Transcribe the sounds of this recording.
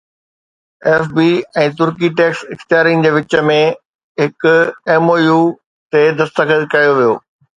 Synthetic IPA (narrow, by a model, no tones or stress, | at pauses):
eːfbiːɛ̃ːt̪ʊɾkiʈeːksɪxt̪jaːɾiːn̆d͡ʑeːʋɪt͡ɕəmẽ | ɦɪkʊeːmoːjuː | t̪ed̪ɐst̪əkʰəkɐjoʋijoː